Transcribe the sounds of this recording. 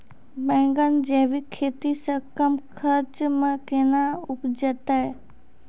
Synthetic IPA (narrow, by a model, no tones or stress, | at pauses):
bɛ̃ŋɡənd͡ʒeːʋikʰːet̪isəkəmkʰəɾt͡ʃmə̃kenaʊpd͡ʒət̪a